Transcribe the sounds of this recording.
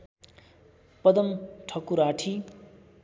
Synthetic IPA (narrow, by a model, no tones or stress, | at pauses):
pʌd̪ʌmʈʰʌkuɾaʈʰi